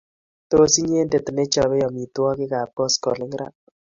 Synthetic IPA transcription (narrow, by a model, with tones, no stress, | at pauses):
to˦o˦si˦ɲ˦e˦nde˦to˨ne˦t͡ʃɔ˨βɛ˦jɔ˨mi˨twɔ˦kɪ˦ka˨pɔ˦skɔ̰˨lɪ˦ŋɾa̰˨t̚